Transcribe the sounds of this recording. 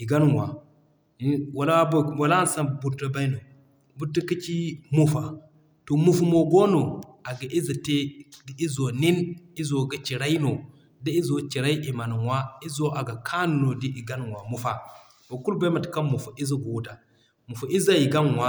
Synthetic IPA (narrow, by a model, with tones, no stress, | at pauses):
i˨ɡa˦n˨wa˨˦ | wa˨la˦bo˦˨wa˨la˦n˨˦sa˦˨bu˨ɾta˦ba˦i˦no˨ | bu˦ti˦ki˦t͡ʃi˦mu˦fa˨ | to˨mu˨fu˨mo˨ɡo˦no˨a˨ɡa˨ʔi˦za˨te˦di˦i˦zo˨ni˦ni˦zo˨ɡa˦t͡ʃi˨ɾa˦i˦no˨ | da˦i˦zo˨t͡ʃi˨ɾa˦i˦ʔi˨ma˨n˨wa˦i˦zo˦ʔa˨ɡa˨kʰa˦n˨no˨di˦i˨ɡa˦n˨wa˨mu˦˨fa˦ | bo˨ku˦lba˦ma˨tka˦mu˨fu˨i˦za˦ɡo˨wu˦ta˨ | mu˨fa˨i˦za˦ji˨ɡa˦n˨wa˦